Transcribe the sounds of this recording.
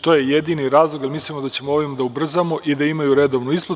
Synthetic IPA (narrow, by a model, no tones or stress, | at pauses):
t̪o̞jejed̪iniɾaːzlˠo̞ɡjalmislimod̪at͡ɕe̞mooʋimad̪aubr̩zamo̞ʔid̪aimajuɾe̞d̪o̞ʋnuispla